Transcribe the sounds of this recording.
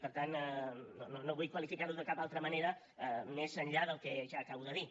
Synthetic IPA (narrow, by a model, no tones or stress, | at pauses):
pəɾt̪annononoβujkwəlifikaɾuðəkapalˠt̪ɾəməneɾə | mezənʎaðəlˠkɛʒaːkaβwðəði